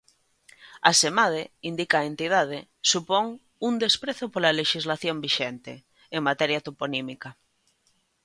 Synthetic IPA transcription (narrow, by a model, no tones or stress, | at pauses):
asemað̞eind̪ikaːent̪ið̞að̞e | supoŋ | und̪espɾeθopolaleʃizlaθjombiʃent̪ḛː | ŋmat̪ɛɾjat̪oponimika